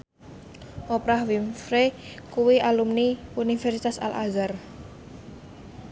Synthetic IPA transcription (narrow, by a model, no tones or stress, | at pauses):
ʔopɾahwimfɾekuwiʔalumniunifɛrsit̪asa̰la̰zar